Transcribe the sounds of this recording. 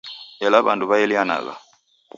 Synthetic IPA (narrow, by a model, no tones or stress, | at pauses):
ɛlaβanduβaɛliana̰ɣa̰